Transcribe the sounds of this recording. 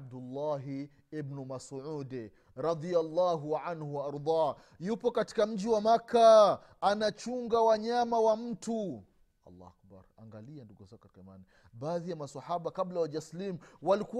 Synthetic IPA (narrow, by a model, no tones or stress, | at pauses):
b̚dulːaɦ | ibnumasʕud | ɾˤɑðialːaːɦuʕanhuwaɑɾd̪ˤɑː | jupɔkati̥kam̩ʄiwamakʰːaː | nat͡ʃuŋɡawaɲamawam̩tu | ɑ̰lːa̰a̰kba̰ɾa̰ŋɡalianduɡuzakkatkamani | ɓaːðijamasɑhaɓakablawaʄaslimwaliku